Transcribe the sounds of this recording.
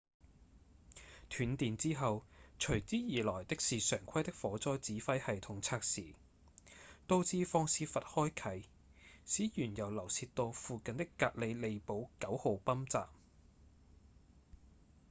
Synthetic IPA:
t̪ʰyː˨˧nt̪iː˨nt͡siː˥ɦɐ˨wt͡ʃʰɵ˨˩ɥt͡siː˥jiː˨˩lɔː˨˩jt̪ɪ˥k̚siː˨sœː˨˩ŋkʷʰɐ˥jt̪ɪ˥k̚fɔː˨˥t͡sɔː˥jt͡siː˨˥fɐ˥jhɐ˨jt̪ʰʊ˨˩ŋt͡sʰaː˧k̚siː˨ | t̪o˧wt͡siː˧fɔː˧ŋsiː˧fɐ˨t̚hɔː˥jkʰɐ˨˥j | siː˨˥jyː˨˩njɐ˨˩wlɐ˨˩wsiː˧tt̪o˧wfuː˨kɐ˨nt̪ɪ˥kːaː˧t̚le˨˧le˨˧jpo˨˥wkɐ˨˥who˨˧wpɐ˥mt͡sa̰ː˨m̚

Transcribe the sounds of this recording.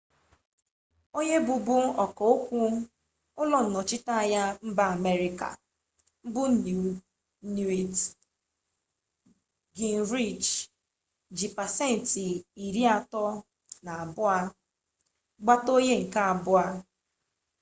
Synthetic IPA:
o˦ɲe˦bʊ˨bʊ˦ɔ˨kɔ˨o˦kʷu˦ | ʊ˦lɔ˦n̩˨nɔ˨t͡ʃɪ˦ta˦˨ja˦m̩˦ba˨a˨me˦ɾi˨ka̰˨ | m̩˦bʊ˦n˨ | nu˨e˨t | ɡi˨n̩˨ɾi˦˨t͡ʃ | d͡ʒi˨pa˨se˦˨n̩˨ti˨i˨ɾi˦a˨tɔ˦ | na˨a˨bʊ˦a˦ | ɡ͡ba˦to˦ɲe˦ŋ̩˨ka˦a˨bʊ˦a˦

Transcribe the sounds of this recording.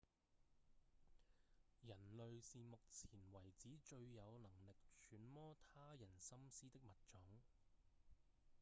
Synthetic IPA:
jɐ˨˩nlɵ˨ɥsiː˨mʊ˨k̚t͡sʰiː˨˩nwɐ˨˩jt͡siː˨˥t͡ʃɵ˧ɥjɐ˨˧wlɐ˨˩ŋlɪ˨k̚t͡ʃʰyː˨˥nmɔː˥t̪ʰaː˥jɐ˨˩nsɐ˥msiː˥t̪ɪ˥k̚mɐ˨t̚t͡ʃʊ˨˥ŋ

